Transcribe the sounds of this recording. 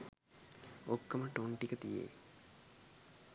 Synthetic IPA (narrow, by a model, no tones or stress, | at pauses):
okːəmɐʈoɳʈikət̪ijḛ